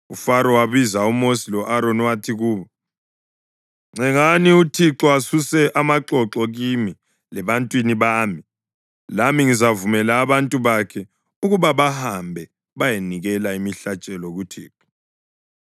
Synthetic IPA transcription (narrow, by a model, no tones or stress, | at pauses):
ufaɾɔwaβizaumosilɔʔaɾonwatʰiɣuːβɔ | ŋ͡ǀɛŋaniutʰiǁɔasusɛʔamaǁɔǁɔɣimi | lɛβantʼwiniβami | lamiŋizavumɛlaːβantʼuβakʰɛ | uɣuβaβahambʱɛ | βajeniɣɛlaimiɬat͡ʃʼɛlɔɣutʰiːǁɔ̥